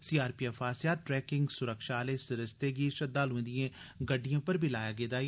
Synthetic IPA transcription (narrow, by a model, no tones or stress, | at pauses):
siːaːɾpiːɛfʰaːsijaːʈɾɛːkɪŋɡsʊɾəkʃaːleːsɪɾɪst̪eːɡiːʃəd̪ːaːlɦõːnd̪ijẽːɡəɖːijãːpəɾbʱiːlaːjaːɡeːd̪aː